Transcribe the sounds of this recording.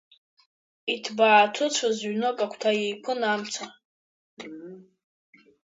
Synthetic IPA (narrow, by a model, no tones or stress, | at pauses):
itʰbaːtʰʊt͡sʷʰazɥnokʼakʷʰtʰajejpʰɨnamt͡sʷʰa